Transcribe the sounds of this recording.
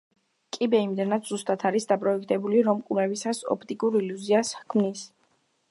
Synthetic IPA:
kʼibɛimd̪ɛnat̪z̥ust̪ʼat̪ʰaɾisd̪apʼɾɔɛkʰt̪ʰʼɛbuliɾɔmkʼuɾɛbisasɔ̰pʰt̪ʼikʼuɾiljuziaskʰmnis

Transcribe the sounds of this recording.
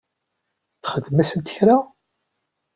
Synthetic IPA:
θχəðmæsənt̪əçɾa

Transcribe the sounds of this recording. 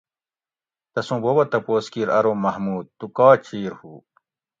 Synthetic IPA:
t̪ɐsũːbobɐt̪ɐpoːskiːɾɐɾoːmɐhmuːd̪̚t̪ukaːt͡ɕiːɾhuː

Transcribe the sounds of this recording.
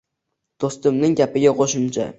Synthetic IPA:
d̪̥ost̪ʊmnɪŋɡʲapɪɡʲaqʰoʃʊmt͡ʃʰa̰

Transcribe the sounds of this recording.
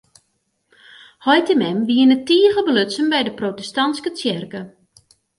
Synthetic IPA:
hɔjtəmɛmʋiənətiəɣəbəløtsənbɛjdəprotɛstɑnskət͡sjɪrkə

